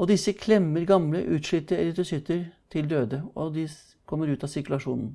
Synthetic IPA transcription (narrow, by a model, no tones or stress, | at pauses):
ɔd̪ɪsːəkʰlɛmːəɾɡɑmləʔʉːt̪ʂɭʏt̪ːəɾɛləd̪ʉsʏt̪ːəɾt̪ʰɪld̪øːd̪əɔd̪ɪ | kʰɔmːəɾʉːt̪ɑsɪɾkʉlɑʂṵːnn̩